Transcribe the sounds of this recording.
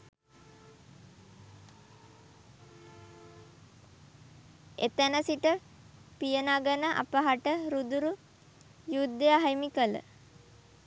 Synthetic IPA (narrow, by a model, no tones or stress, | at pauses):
ḛt̪ənəsiʈə | pijənaɡənəʔa̰pəɦaʈəɾud̪uɾu | jud̪ːejaɦajmikələ̰